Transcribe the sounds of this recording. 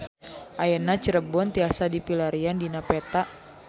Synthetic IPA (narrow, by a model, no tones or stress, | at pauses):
ʔajənat͡ʃəɾəbɔnt̪iasadipilaɾiandinapɛt̪aʔ